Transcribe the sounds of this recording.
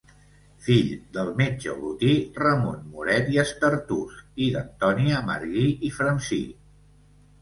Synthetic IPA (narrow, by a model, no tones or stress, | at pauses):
fiʎd̪əlˠmed͡ʒə̰βut̪irəmunmuɾɛt̪iəst̪əɾt̪usid̪ə̰nt̪ɔniəmə̰ɾɣiifɾənsḭ